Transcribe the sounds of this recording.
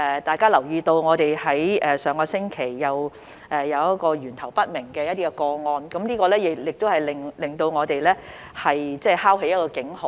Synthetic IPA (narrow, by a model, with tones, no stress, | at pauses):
ɛ˨˧t̪aː˨˧jkaː˥lɐ˨˩wjiː˧t̪o˧wŋɔː˨˧t̪e˨jhɐ˨˥jʔɛː˨sœː˨˧ŋkɔː˧sɪ˥ŋkʰe˨˩jːɐ˨˧w | ʔɛ˨˧jɐ˨˧wjɐ˥t̚kɔː˧ɥyː˨˩nt̪ʰɐ˨˩wpɐ˥t̚mɪ˨˩ŋkɛː˧jɐ˥t̪̚iː˥kɛ˧kɔː˧ŋɔː˧nkɐ˨˧˥mniː˥kɔː˧lɛː˥jɪ˨jɪ˨k̚t̪o˥whɐ˨˩jlɪ˨ŋlɪ˨ŋt̪o˧wŋɔː˨˧t̪e˨jlɛː˥ | hɐ˨jt͡sɛː˥˩haː˥wɦe˧˥jɐ˥t̚kɔː˧kɪ˨˥ŋho˨˦